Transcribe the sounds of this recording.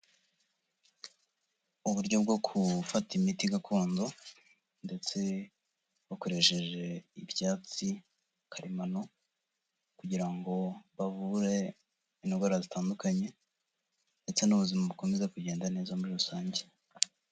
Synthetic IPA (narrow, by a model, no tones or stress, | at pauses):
uβuɾɟo̞bɡo̞kʰufatimitiɡakʰoːnzo | nde̞t͡se̞ | βako̞ɾe̞ʃe̞ʒe̞ibjaːt͡si | kʰaɾimano̞ | kuɟiɾaŋɡo̞βavuɾe̞ | inoɡoɾazitaːndukaɲe̞ | nde̞t͡se̞nuβuzimaβuko̞me̞ze̞kuɟe̞ːndane̞ːzamuɾiɾusaːɲɟe